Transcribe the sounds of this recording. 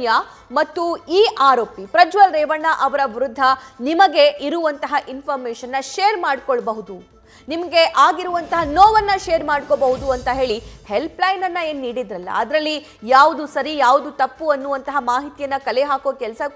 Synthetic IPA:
ja | mɐt̪ːuiːʔaːɾoːpipɾɐd͡ʒʋɐlɾɛːʋɐɳːaʔɐʋɐɾɐʋɾud̪ʱːɐnimɐɡe̞iɾuʋɐnt̪ɐɦɐʔinpʰɐɾmeːʂɐnːɐʃeːɾmaːɽkoɭbɐɦud̪u | nimɐɡe̞ʔaːɡiɾuʋɐnt̪ɐɦɐnoːʋɐnːɐʃeːɾmaːɖkobɐɦud̪uɐnt̪ɐɦe̞ːɭihelplɐjnɐnːɐe̞ːnːiːɽid̪ɾɐlːɐ̰ɐd̪ɾɐlːi | jaːʋud̪usɐɾijaːʋud̪ut̪ɐpːuɐnːuʋɐnt̪ɐɦɐmaːɦit̪ijɐnːɐkɐleɦaːkokɛlsɐ

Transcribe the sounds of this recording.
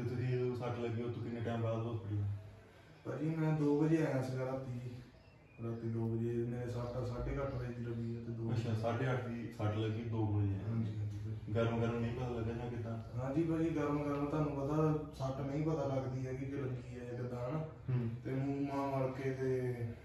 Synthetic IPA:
d͡ʒɪt̪ʰet̪iːosəʈʰləɡiːot̪ʰːõːkɪneːʈɛːmpaːd̪bopəɽiːã | pəːd͡ʒiːmɛ̃ːd̪oːbəd͡ʒeːɛjãːsəɡəɾãːt̪iː | ɾaːt̪iːd̪oːbəd͡ʒeːnẽːsəʈːsaːɖeːkəʈʰbeːd̪iːləɡiːɛːt̪eːd̪oːʊt͡ʃaːsaːɖeːəʈʰd̪iːsəʈləɡiːd̪oːbəd͡ʒḛːɦãːd͡ʒiːɦãːd͡ʒiːsəɡəɾəmɡəɾmnəĩːpət̪aːləɡaːd͡ʒãːkɪt̪ãːɦãːd͡ʒiːpaːd͡ʒiːɡəɾəmɡəɾəmt̪aːnũːpət̪aːsəʈnə̃ĩːpət̪aːləɡd̪iːɦɛːkɪkeləɡiːɛːɪkd̪aːnː | t̪eːmũːmãːməlkeːt̪eː

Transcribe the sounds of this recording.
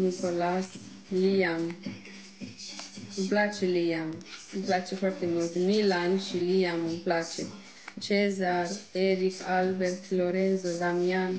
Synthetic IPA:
nikolas | liam | mplat͡ʃeliamplat͡ʃefaɾt̪emult̪emilanʃiliamumplat͡ʃe | t͡ʃezaɾeɾikalbeɾt̪loɾenzod̪amian

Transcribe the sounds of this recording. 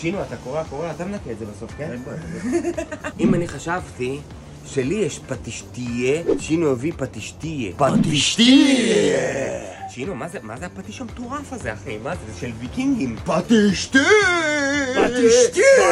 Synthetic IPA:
ʃinuat̪akoʁeakoʁeat̪amenakeetzebaso̞fkeneboe | ʔimaniχaʃavti | ʃelijeʃpat̪iʃt̪ijeʃinuovipat̪iʃt̪ijḛpat̪iʃt̪i | ʃinumazemazeapat̪iʃamet̪oʁafazeaχimazezeʃelvikiŋɡimpat̪iʃt̪i | ait̪

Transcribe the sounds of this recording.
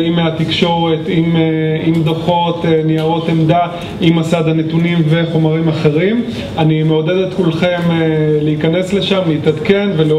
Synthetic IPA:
imeat̪ikʃo̞ʁe̞t̪imimd̪aχo̞t̪eniaʁo̞temd̪a | imasad̪hane̞tunimveχo̞maʁimaχe̞ʁim | animeoded̪et̪kulχe̞mleikane̞sle̞ʃamleit̪ad̪ke̞nvele

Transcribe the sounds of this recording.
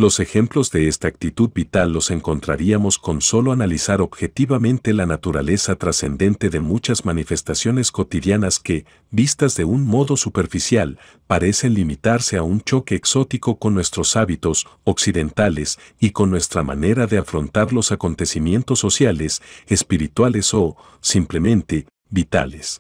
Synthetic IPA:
lo̞se̞xe̞mplo̞zðe̞e̞st̪aːk̚t̪it̪uðbit̪alːo̞se̞ŋko̞nt̪ɾa̰ɾiamo̞sko̞nso̞lo̞analisaɾo̞bxe̞t̪iβamẽ̞nt̪elanat̪uɾa̰le̞sat̪ɾase̞̰nd̪e̞nt̪e̞ðe̞mut͡ʃazmanife̞st̪asjo̞nesko̞t̪iðjanaske̞ | bist̪azðe̞unmo̞ðo̞supe̞ɾfisjal | paɾe̞se̞nlimit̪aɾse̞aunt͡ʃo̞ke̞ːkso̞t̪iko̞ko̞nːwe̞st̪ɾo̞saβit̪o̞soksiðe̞nt̪ale̞siko̞nːwe̞st̪ɾama̰ne̞ɾaðe̞afɾo̞nt̪aɾlo̞sako̞nt̪e̞simje̞nt̪o̞sːo̞sjale̞sespiɾit̪wale̞so̞ | simple̞mẽ̞nt̪e̞ | βit̪a̰les

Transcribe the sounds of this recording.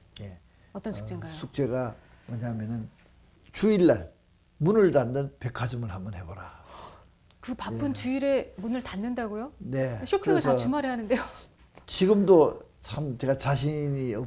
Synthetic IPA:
je̞ | ʌt͈ʌnsʰukt͡ɕ͈eŋɡasʰuk̚t͡ɕ͈e̞ɡa | mwʌɲaɦmjʌnɯn | t͡ɕuiɭːaɭ | munɯɭdandɯnpe̞kʰad͡ʑɯmɯɭhamʌnhe̞bʌɾa | kɯpapʰɯnt͡ɕuiɾe̞munɯɭtanːɯndaɡojone̞ɕʰokʰkɯeeŋɭstʰaʌt͡ɕumaɾeɦanɯnde̞jo | t͡ɕiɡɯmdot͡ɕʰamt͡ɕe̞ɡat͡ɕaɕ̬ʰiɲiʌ

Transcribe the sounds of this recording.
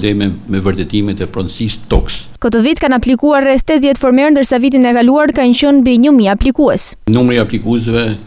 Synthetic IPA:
d̪ɛɛmɛvəɾt̪ɛt̪imɛt̪ɛpɾɔnsist̪ɔkskət̪ɔvit̪kanaplikuaɾːɛθt̪ɛt̪ðjɛt̪fɔɾmɛɾnd̪əɾsavit̪̬inɛkaluaɾkaɲt͡ɕunbiɲəmiaplikuɛsnumɾiːaplikuɛs̬vɛ

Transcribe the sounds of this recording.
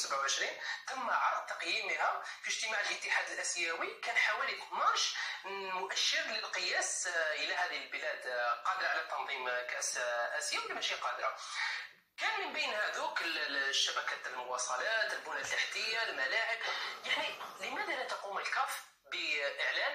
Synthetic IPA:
səbʕawʕəʃɾint̪əmːaʕɑɾˤd̪̚t̪ːɑqjiməhæfiʒt̪əmaʕəlʔət̪ːəħad̪əlʔæsjæwikænħawælitmɑɾˤʃmʊʔæʃːəɾləlqəjæsʔəlæhæd̪iəlbəlæd̪qɑd̪ɾˤɑʕlæt̪ːɑnðˤimkæsʔæsjæwlmæʃiqɑd̪ɾˤɑ̰ | kænmənbijnhæd̪ukəlʃːæbækæt̪əlmʊwɑsˤɑlæt̪əlbunælaħt̪əjalmælaʕəbjaʕniləmæd̪ænæt̪ɑquməlkæf | bəʔəʕlæn

